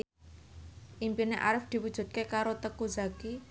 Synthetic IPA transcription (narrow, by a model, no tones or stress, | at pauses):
ʔimpineʔa̰ɾɪfd̪̥i̤wud̥ʒ̥ṳd̪̚kekaɾot̪əkuzaki